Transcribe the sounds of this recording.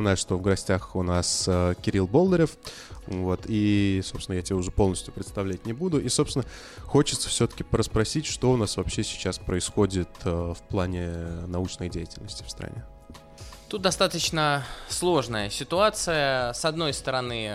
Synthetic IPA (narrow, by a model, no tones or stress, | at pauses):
ɪnajʊʂt̪o̞vɡɐsʲtʲaxʊnasəkʲɪɾʲilˠbo̞lˠd̪əɾʲɪf | vo̞t̪ʰisopsʲɪnəjatʲɪbʲeʊʐɛpo̞lˠnəsʲtʲjʊpɾʲɪt̪st̪ɐvlʲætʲnʲɪbud̪ʊʔisosʲɪnə | xo̞t͡ɕɪ̥t̪sə̥fsʲɵt̪ə̥kʲɪpəɾəspɾɐsʲitʲʂt̪o̞ʊnasvɐpɕːesʲɪ̥t͡ɕaspɾəɪsxo̞dʲɪt̪əfplˠanʲɪnɐut͡ɕnəjdʲejɪtʲɪlʲnəsʲtʲɪ̥fst̪ɾɐ̰nʲe | t̪ut̪̚d̪ɐst̪at̪ət͡ɕnəslˠo̞ʐnəjəsʲɪt̪ʊat̪sɨjəsɐd̪no̞jst̪əɾɐnɨ